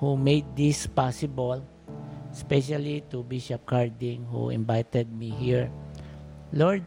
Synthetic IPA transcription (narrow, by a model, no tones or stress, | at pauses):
humejd̪̚ːispasɪbəl | spɛʃalit̪ubiʃap̚kaɹd̪ĩŋhṵɪ̰̃nbajt̪ɛd̪̚miɦiɹ | lɔɹd̪̚